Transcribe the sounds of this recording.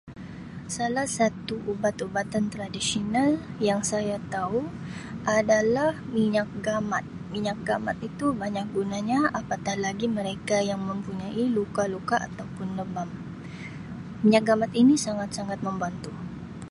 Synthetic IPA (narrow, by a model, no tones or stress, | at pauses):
salahsat̪uʔubat̪ubat̪ant̪ɾadisionaljaŋsajat̪auʔadalahmiɲak̚ɡamat̪̚miɲak̚ɡamat̪it̪ubaɲak̚ɡunaɲaapat̪ahlaɡiməɾekajaŋmə̃mpuɲaʔilukalukaʔa̰t̪awpʊnləbam | miɲak̚ɡamat̪inisaŋat̪̚saŋat̪̚mə̃mbant̪u